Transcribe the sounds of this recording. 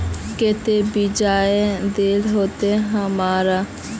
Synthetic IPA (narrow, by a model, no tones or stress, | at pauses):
kɪt̪ebɪd͡ʒaːed̪eːlɦoːt̪eɦəmaːɾa